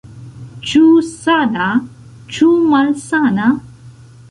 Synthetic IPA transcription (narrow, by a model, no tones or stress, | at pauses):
t͡ʃusana | t͡ʃumɐlsana